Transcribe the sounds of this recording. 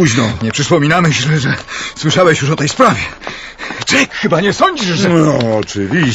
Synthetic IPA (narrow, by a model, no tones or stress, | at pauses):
uʑnɔɲɛpʂɘspɔmʲinamɛɛʐɛswɘʂawɛɕjuʂɔt̪ɛjspɾavʲɛ | t͡ʂɛkxɘbaɲɛsɔɲd͡ʑiʂɛɔɔt͡ʂɘvʲi